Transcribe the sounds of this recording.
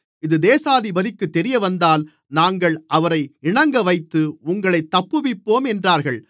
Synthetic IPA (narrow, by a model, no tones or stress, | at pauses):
ɪðɯd̪eːsaːðɪbɐðɪkːɯt̪ːɛɾɪjɐʋɐnd̪aːl | naːŋɡɐɭʔɐʋɐɾɐɪɪɳɐŋɡɐʋɐɪt̪ːɯʊŋɡɐɭɐɪt̪ːɐpːɯʋɪpːoːmɛndraːɾɣɐɭ